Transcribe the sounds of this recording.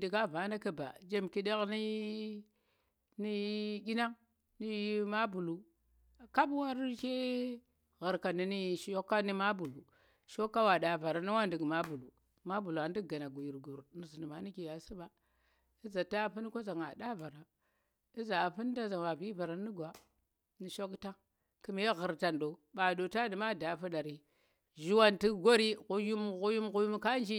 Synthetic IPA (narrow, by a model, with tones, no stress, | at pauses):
di˨ɡa˦va˨˦na˦kə˨ba̰˨˦d͡ʒe˦mki˦da˦ɣni˦ | ni˦ɡʲi˦na˦ŋ | ni˦i˦ma˦bu˨lu˨ | ka˦bwa˦ɾke˦ | ɣə˨ɾka˨ni˨ni˦˨ʃjo˦kːa˦ni˦ma˦bu˨lu˨ | ʃo˦kːa˦wa˨da˨va˨ɾa˨ni˦wa˦ndi˨ɡma˦bu˨lu˨ | ma˦bu˨lu˨a˨n˦di˦ɡa˨na˨ɡu˨ji˨ɾɡu˨ɾni˨zi˨ni˨ma˨˦ni˦ki˨ja˨si˦ba˦ | i˦za˨ta˦pi˦n˦ko˦za˨ŋa˨da˦va˨ɾa˨ | i˦za˨pi˦n˦da˦za˨wa˨vi˦va˨ɾa˨ni˦ɡʷa˨ | ni˨ʃo˦kta˦ | ki˦me˦ɣə˨ɾta˨ndo˨ɓa˨ɗo˨ta˦di˨ma˦da˨fu˦ɗa˨ɾi˨ | ʒi˦wa˦nti˦ɡo˦ɾi˦ɣu˦ju˦m˨ɣu˦ju˦mɣu˦ju˦m˦ka˦n˦d͡ʒi˦